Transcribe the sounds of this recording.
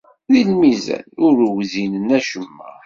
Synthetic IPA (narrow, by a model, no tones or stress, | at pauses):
ðilmizæ̰nʊɾwzinənæʃəmːæ̰